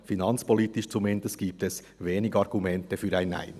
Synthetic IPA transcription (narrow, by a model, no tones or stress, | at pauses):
finɑnt͡spɔliːtɪʃt͡sumɪndəst̚ɡ̥iːp̚tɛs | veːnɪɡɑʁɡumɛntəfyːɾaɪna̰ɪn